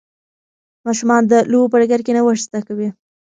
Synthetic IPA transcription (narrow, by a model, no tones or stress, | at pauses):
mɑʃumɑnd̪əlowopəɖaɡaɾkenawəʂst̪akawi